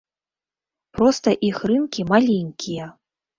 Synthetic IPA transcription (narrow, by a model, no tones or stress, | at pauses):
pɾɔst̪ɐʔixrɨnkʲimalʲeŋʲkʲʰijɛ